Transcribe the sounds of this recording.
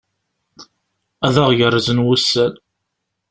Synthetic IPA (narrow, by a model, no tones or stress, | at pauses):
æðəʁjərːəzənwusːæn